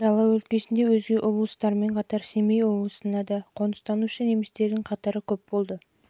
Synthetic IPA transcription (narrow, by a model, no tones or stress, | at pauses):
ʒɑlˠɑwɵlkʲe̞sɪnd̪e̞wɵzɡʲe̞ʔo̞blˠəst̪ɑɾme̞ɴqʰɑt̪ɑɾse̞mejwo̞blˠəsənɑd̪ɑqʰo̞nə̥st̪ɑnuʃəne̞mest̪e̞ɾd̪ɪŋqʰɑt̪ɑɾəkʲʰɵpbo̞lˠd̪ə